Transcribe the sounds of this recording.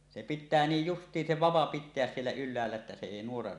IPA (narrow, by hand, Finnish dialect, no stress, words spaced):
se pitˑæː niːj justˑiːn se ʋɑʋɑ pitˑeæs sielːæ ylˑæːlːæ etːæ se eˑi nuorɑ